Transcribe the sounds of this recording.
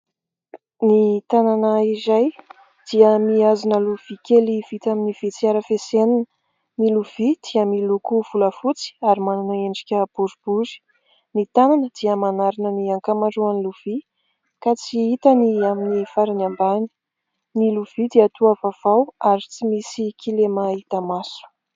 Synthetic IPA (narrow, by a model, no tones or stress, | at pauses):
nit̪ananəizaj | d̪̥iəmiazinəluv̥ikʲeliv̥it̪aminiv̥it͡siaɾəfeseninə | miluv̥id̪̥iəmilukuv̥uləfut͡si̥aɾimananaeɳɖ͡ʐi̥kʲəb̥uɾub̥uzi̥ | nit̪ananəd̪̥iəmanaɾinəniaŋkamaɳɖ͡ʐuaniluv̥i | kat͡siit̪aniaminifaɾinambani̥ | niluv̥id̪iət̪uavav̥awaɾit͡simisikʰilemait̪amasu̥